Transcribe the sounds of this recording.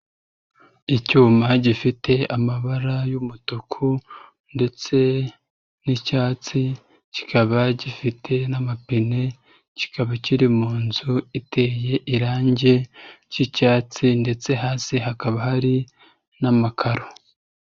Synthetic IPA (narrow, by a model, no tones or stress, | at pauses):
icuːmaɟifitʰe̞amaβaɾajumutukʰu | nde̞t͡se̞ | nicaːt͡si | ci̥kaβaɟifitʰe̞namapine̞ | ci̥kaβaciɾimuːnzuite̞ːje̞ʔiɾaːɲɟe̞cicaːt͡sinde̞t͡se̞ɦaːsiɦakaβahaɾi | namakʰaɾo